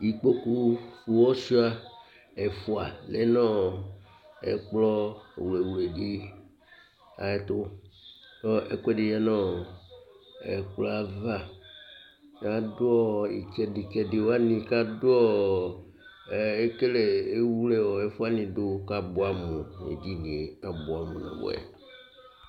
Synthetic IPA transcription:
i˨k͡po˦ku˦fu˨wɔ˦su˦a˦ | e˨fo˦a̰˨le˨˦nɔ̃˦˨ | ɛ̰˨k͡plɔ˦˨wu˨le˨wu˨le˨di˦ | a̰˨e˨t̪o˦ | ɔ˦ḛ˦kɛ˦ɖi˨jɛ˦nɔ̃˦˨ | ɛ̰˨k͡plɔ˦a˨va˦ | ja˦do˦ɔ˦ḭ˨kɛ˨di˨kɛ˨de˨wo˦a˦nĩ˨ka˦do˦ɔ˦˨ | e˦ke˦le˨e˦wu˦le˦wɔ˨e˦fu˦a˦nĩ˨do˦ka˦bo˦a˨mũ˨nḛ˨d͡ʒi˦nĩ˨a˨bo˨a˨mũ˨nɔ̰̃˨bo̰˨˦ɛ̰˨

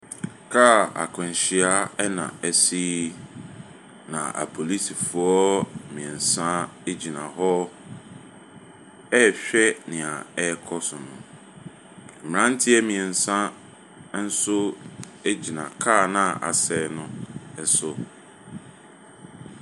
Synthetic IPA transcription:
kʰaː˦˨a̰˨kʰʊ̃˨n˨ɕi˨a˦ɛ˦nã̰˨ɛ˦si˦ | nã̰˨ʔa̰˨pʰo˨li˦si˨fu˨ɔ˦mĩ˨ɛ˨n˨sã˦e˦d͡ʑi˨nã˨hɔ˦ | ɛ˦˨ɕᶣɛ˦nɪ̃˨a˨ɛ˦kʰɔ˦sʊ˨nʊ̰̃˨ | m̩˨ɾã˦n̩˦tʰɪ˦ɛ˦mĩ˨ɛ̃˨n˨sã˦ | n̩˦sʊ˦ | e˦d͡ʑi˨nã̰˨kʰaː˦˨nã˦˨a˨sɛ˨˦nʊ̃˦ɛ˨sʊ˦

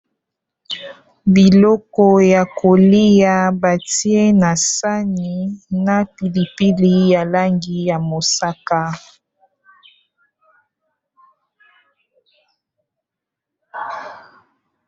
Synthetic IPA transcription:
bi˨lɔ˦kɔ˦ja˨ko˨li˦ja˦ba˨ti˦e˦na˨sa˦ni˨na˨pi˨li˨pi˦li˦ja˨la˦ŋɡi˦ja˨mo˨sa˦ka˦

